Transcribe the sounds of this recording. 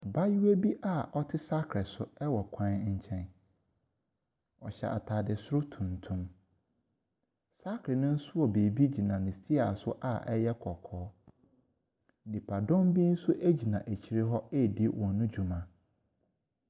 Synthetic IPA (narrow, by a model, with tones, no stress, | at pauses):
ba˦ju˦we˦bi˦ʔa˦˨ʔɔ˦tʰɪ˦sa˦kʰɾɪ˨sʊ˦ɛ˦wɔ˨kʷʰã˦n˦ɲ̩˦t͡ɕʰɛ̃˦n | ɔ̰˨ɕɛ̰˨ʔa̰˨tʰa˨dɪ˨sʊ˦ɾʊ˦tʰũ˨ntʰũ˦m | sa˦kʰɾɪ˨nʊ̃˦n̩˦sʊ˦wɔ˨be˨bi˦d͡ʑi˨nã˨nɪ̃˨stʰi˦a˨sʊ˦ʔa˨ʔɛ˦jɛ˦kʰɔ˨kʰɔː˨˦ | n̩˨dĩ˨pʰa˨dɔ̃˦mbĩ˦n̩˦sʊ˦ʔe˦d͡ʑi˨nã˨ʔæ˨t͡ɕʰi˨ɾɪ˦ɦɔ˦e˦˨di˦wʔɔ̃˨˦nʊ̃˦d͡ʑu˨mã˨